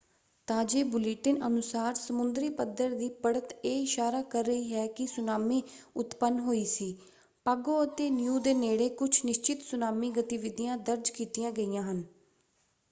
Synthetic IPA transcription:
t̪aːd͡ʒeːbʊliʈənənʊsaːɾsəmʊnd̪ɾiːpəd̪əɾd̪iːpəɽət̪eːɪʃaːɾaːkəɾːəiːɦɛːkɪsʊnaːmĩːʊt̪pənɦoːiːsiː | paːɡoːət̪eːnjuːd̪eːneːɽeːkʊt͡ʃʰnɪʃt͡ʃɪt̪sʊnaːmiːɡət̪iʋɪd̪ɪjãːd̪əɾd͡ʒkiːt̪ijãːɡəijãːɦən

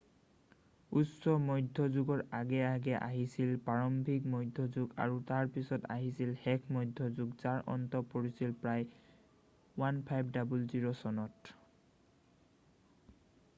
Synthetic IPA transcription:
usɔmɔjdʱːɔzuɡɔɹaɡɛaɡɛʔaɦisilpaɹɔmbʱik̚mɔjdʱːɔzuɡa̰ɹutaɹpisɔta̰ɦisilhɛkʰmɔjdʱːɔzuɡzaɹʔɔ̰ntɔpoɹisilpɹaj | wanpʰajbdabulziɹɔsɔnɔt

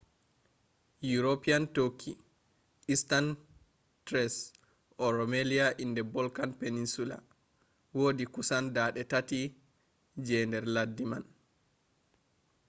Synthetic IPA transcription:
juɾopiantokʰːi | ʔistan | tɾɛs | ʔɔɾɔmeliaʔindɛbɔlkanpeninsula̰ | woːdikusandaɗɛtati | d͡ʒɛndɛɾladːiman

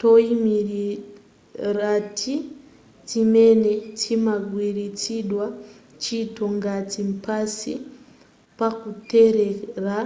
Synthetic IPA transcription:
toimiɾi | ratʰi | timenetʰimaɡwiɾit͡siɗwa | t͡ʃitoŋɡatimpasḭ | pakuteɾera

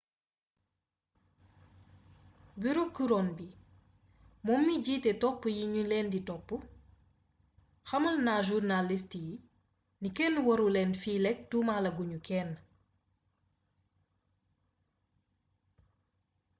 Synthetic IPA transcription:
biɾukuɾɔːnbi | mɔmːiɟiːtɛtɔpːujiɲulɛːnditɔpːu | xɐmulnaʒurnalistiji | nikɛnːuwɔɾulɛːnfiːlɛk̚tumalɐɡuɲukɛːnː

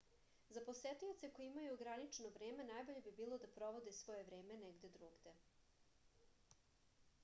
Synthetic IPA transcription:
zaposet̪io̞t̪se̞kojeimajuɡɾanit͡ʂnoʋɾeːmenajbo̞ʎe̞bibiːlˠo̞d̪apɾo̞ʋo̞d̪esʋo̞jeʋɾe̞ːmeneɡd̪e̞d̪ɾuːɡd̪e̞

